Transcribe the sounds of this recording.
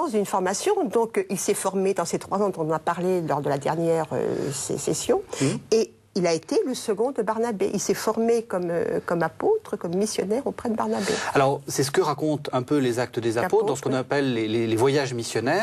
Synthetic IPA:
ɑ̃sd̪ynfɔʁmasjɔ̃d̪ɔ̃kilsɛfɔʁmed̪ɑ̃set̪χwazɑ̃d̪ɔ̃t̪ɔ̃nɑ̃napaʁlelɔʁd̪əlad̪ɛ̰ʁnjɛʁø̰sḛsɛ̰sjɔ̃e | ilaet̪eləsəɡɔ̃d̪əbaʁnabeʔilsɛfɔʁmekɔmø̰kɔmapot̪χəkɔmːisjɔnɛʁopχɛd̪əbaʁnabḛalɔʁsɛsə̥kəʁakɔ̃t̪ɛ̃pølezak̚t̪əd̪ezapot̪d̪ɑ̃sə̥kɔ̃napɛlːelelevwajaʒmisjɔnɛː

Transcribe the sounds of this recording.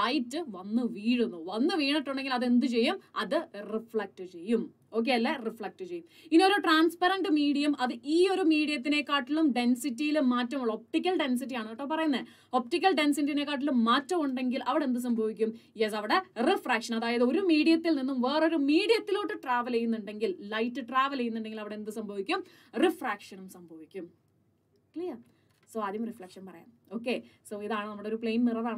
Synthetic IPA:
ɐjtːɨʋɐnːɨʋiːɻunːuʋɐnːɨʋiːɳiʈːuɳɖe̞ŋɡilɐðe̞nd̪ɨt͡ɕe̞jːumɐðɨrifɭɐk̚ʈɨt͡ɕe̞jːum | o̞ːk̬ːeɐlːɐrifɭɐk̚ʈɨt͡ɕejːuminːo̞ɾuʈraːnspɐɾɐɳɖɨmiːɽijɐmʔɐðɨʔiːo̞ɾumiːɽijɐt̪̬ːine̞kːaːʈːilumɖe̞nsitːijilumːaːtːɐmuɭːɐop̚ʈikʲːɐlɖe̞ns̬it̬ːijaːɳɨɐʈːɐpɐrɐjunːɐ | o̞p̚ʈikʲːɐlɖe̞nsitːiine̞kːaːʈ̬ːilumːaːtːɐmuɳɖe̞ŋɡilʔɐʋiɽe̞nd̪ɨs̬ɐmbʱɐʋikʲːumjesɐʋiɽerifraːkʂɐnɐðaːjɐðɨo̞ɾumiːɽijɐt̪ːilninːumʋe̞ːro̞ɾumiːɽijɐt̪ːiloːʈːɨʈraːʋɐlejːunːuɳɖe̞ŋɡillɐjtːɨʈraːʋɐlejːunːuɳɖe̞ŋɡilɐʋiɽend̪ɨsɐmbʱɐʋikʲːum | rifraːkʂɐnumsɐmbʱɐʋikʲːum | klijɐ | soːɐðijumrifrɐːkʂɐnpɐrɐja̰ːm | o̞ːkːeso̞ːiðaːɳɨnɐmːuɽeoɾupɭe̞jnnirɐðaːɳɨ

